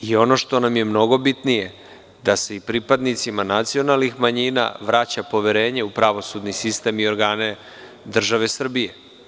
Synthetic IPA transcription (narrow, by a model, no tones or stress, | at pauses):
io̞no̞ʃt̪o̞namje̞mno̞ɡo̞bit̪nije̞ | d̪ase̞ipɾipad̪nit̪simanat̪sio̞nalnixmaɲiːna̰ʋɾat͡ɕapo̞ʋeɾe̞ːɲe̞upɾaʋo̞sud̪nisist̪e̞mio̞ɾɡaːne̞ | d̪r̩ʒaʋe̞sr̩bije̞